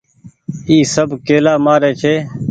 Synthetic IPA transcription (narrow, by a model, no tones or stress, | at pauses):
iːsəbkeːlaːmaːɾeːt͡ʃʰeː